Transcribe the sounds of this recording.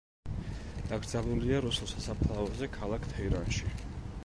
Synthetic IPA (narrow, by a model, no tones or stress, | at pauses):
d̪̥aɡɾd̪zaluliaɾusulˠsasapʰlˠavɛzɛkʰalˠakʰt̪ʰɛiɾanʃi